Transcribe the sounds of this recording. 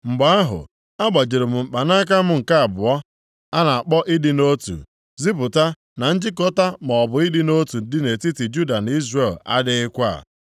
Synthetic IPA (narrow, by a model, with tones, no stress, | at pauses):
ŋ͡m̩˨ɡ͡ba˨˦a˦ɦʊ̰˨ | a˦ɡ͡ba˨d͡ʒe˨ɾe˨m̩˨ŋ͡m̩˨k͡pa˨na˦k̬a˦m̩˦ŋ̩˨ka˦a˨bʊ˨ɔ˦ | a˦na˨a˨k͡pɔ˦ʔi˦dɪ˦no˦tṵ˨ | zi˦pʊ˨ta˦ | na˨n̩˦d͡ʒɪ˦k̬ɔ˦ta˦mɔ˨bʊ˨i˦dɪ˦no˦tu˨˦dɪ˦ne˨ti˦ti˨d͡ʒu˦da˨n˦i˦zre˨la̰˦dɪ˦ɪ˦kʷa˦a̰˨